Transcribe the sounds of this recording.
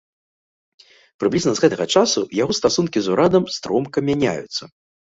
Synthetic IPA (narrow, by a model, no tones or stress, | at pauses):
pɾɨblʲiznɐzɣɛt̪ɐɣɐt͡ʂasujaɣɔst̪asunkʲizuɾʔad̪ɐmst̪ɾɔmkɐmʲanʲa̰jṵt̪sːɐ